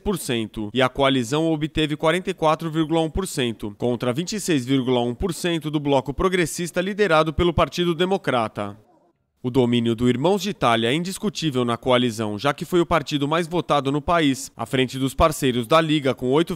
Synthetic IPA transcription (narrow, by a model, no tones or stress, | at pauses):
poɾsẽnt̪ʊɪɐkoalizɐ̃w̃obɪt̪evɪkwaɾẽnt̪ejkwat̪ɾʊviɾɡulɐũpoɾsẽnt̪ʊkõnt̪ɾɐvĩt͡ʃisejzviɾɡulɐũpoɾsẽnt̪ʊd̪ʊblɔkʊpɾoɡɾesist̪ɐlid̪eɾad̪ʊpelʊpaɾt͡ʃid̪ʊd̪emokɾat̪ɐ̰ | ʊd̪omĩnjʊd̪ʊiɾmɐ̃w̃zd͡ʒit̪aljɐɛĩd͡ʒiskut͡ʃivewnɐkoalizɐ̰̃w̃ʒakɪfojʊpaɾt͡ʃid̪ʊmajzvot̪ad̪ʊnʊpaisa̰fɾẽnt͡ʃɪd̪ʊspaɾsejɾʊzd̪ɐliɡɐkõojt̪ʊ